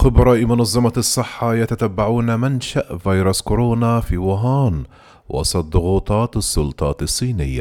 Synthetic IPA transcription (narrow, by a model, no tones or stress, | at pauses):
xɪbɾˤɑlimʊnɑzˤːɑmɑsˤːɨħːɑjat̪at̪abːaʕuːnamanʃaʔvɑjɾˤɑskʊɾoːnafiːwaɦaːn | wɑ̰sˤɑt̪̚ˤd̪ˤʊɣuːt̪ˤɑːt̪sˤːʊlt̪ˤɑːt̪ɑsˤːiːnɪjːa̰